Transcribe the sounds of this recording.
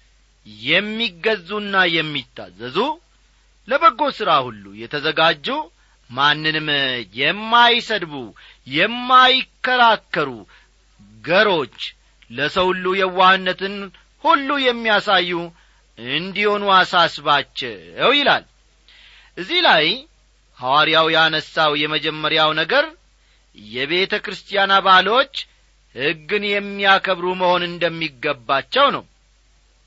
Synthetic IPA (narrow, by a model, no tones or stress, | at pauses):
jɛmːiɡəzːunːajɛmːit̪ʼːa̰zːəzu | ləbəɡːo̞sɨɾahulːṵjɛt̪ʰəzəɡad͡ʒːu | manːɨnmjɛmːajsəd̪bu | jɛmːajkːəɾakːəɾu | ɡəɾo̞t͡ʃː | ləsəwhulːujɛwahɨnːət̪ɨn | hulːujɛmːijasajːu | ɨnd̪iho̞nuasasβat͡ʃːɛɛwjɪla̰l | ʔɨzːihlaj | hawaɾijawjanəsːawjɛməd͡ʒɛmːəɾjawnəɡəɾ | jɛβe̞t̪ʰəkɾɨst̪ʰijanabalwo̞t͡ʃː | hɨɡːɨnjɛmːijakʰəβɾuməho̞nɨnd̪əmːiɡːəbːat͡ʃːɛwnə̰w